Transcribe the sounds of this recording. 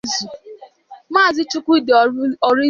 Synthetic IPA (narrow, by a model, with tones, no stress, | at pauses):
zu˨ | maː˦˨zɪ˦t͡ʃʊ˦kʷʊ˦i˦dɔ˨ɾi˦